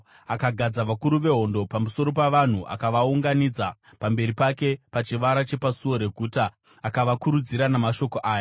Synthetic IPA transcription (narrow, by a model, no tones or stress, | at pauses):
akaɡʱad͡zaʋakuɾuʋe̞ɦo̞ndo̞pamuso̞ɾo̞paʋan̤uʔa̰kaʋauŋɡanid͡za | pambe̞ɾipake̞pat͡ʃiʋaɾat͡ʃe̞pasuo̞ɾe̞ɡʱuːtaː | kaʋakuɾud͡ziɾanamaʃo̞ko̞ʔaːja